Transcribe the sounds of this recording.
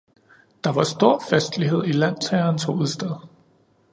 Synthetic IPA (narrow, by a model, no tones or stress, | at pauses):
d̥ɑ̈ʋɑ̈sd̥o̝ɐ̰fæsd̥liɦe̝ð̞̰ˠilæn̰t͡sʰɛːɐːnsʰo̝uð̩ˠsd̥ɛðˠ